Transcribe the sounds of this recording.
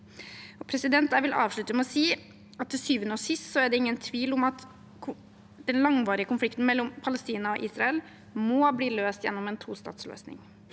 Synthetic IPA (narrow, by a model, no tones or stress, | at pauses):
ɔpʰɾɛsɪd̪ɛnt̪̚d̪æːɾʋɪlʔɑ̰ːʋʂɭʉt̪ːəmɛɔsiː | ɑt̪̚ʰːɪlsyːʋənəɔːʂɪst̪sɔæɖɛɪŋːənt̪ʰʋiːlʊmɑt̪ | d̪̥ɛnlɑŋʋɑːɾɪəkʊnflɪkt̪n̩mɛlːɔmpʰɑlɛst̪iːnɑɔʔiːsɾɑɛl | mɔbliːløːst̪jɛ̰nːɔmɛːnt̪ʰuːst̪ɑ̰ːt̪slø̰ːsnɪ̰ŋ